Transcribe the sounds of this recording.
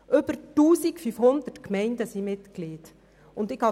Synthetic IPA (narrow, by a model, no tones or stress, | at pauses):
ʔʏb̥əɾtuːsikfyfhʊnd̪ətkmɛɪndəsimɪtkliːd | ʊndɪkhɑ